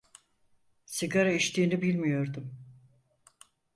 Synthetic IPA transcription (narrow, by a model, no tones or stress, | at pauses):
siɡaɾaiʃt̪ʰiːnibilʲmijo̞ɾd̪um